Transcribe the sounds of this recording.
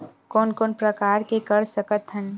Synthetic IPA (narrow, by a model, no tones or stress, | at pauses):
kɔːnkɔːnpɾəkaːɾkekəɾsəkət̪ɦən